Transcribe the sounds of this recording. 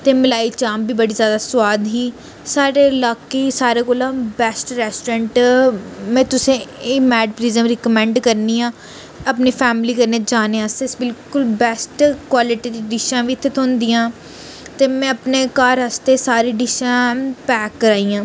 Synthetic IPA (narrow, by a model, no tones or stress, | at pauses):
t̪eːmɪlaːiːt͡ʃaːmbiːbəɽiːzjaːd̪aːsʊwaːd̪ɦiː | saːɾeːlaːkiːsaːɾeːkoːlãːbɛːsʈɾɛːsʈːɾɛ̃ːɳʈ | mɛ̃ːt̪ʊsẽːmɛːɖpɾiːzəmɾɪkəmɛ̃ːɳɖkəɾniːãː | əpniːpʰɛːmliːkəɾneːd͡ʒaːnẽːasesbɪlkʊlbɛːsʈkwaːlɪʈiːd̪iːɖɪʃãːʋiːɪt̪ʰːet̪ʰõːnd̪iːãː | t̪eːmɛ̃ːəpneːkaːɾɦəst̪eːsaːɾiːɖɪʃãːpɛːkːəɾaːiːãː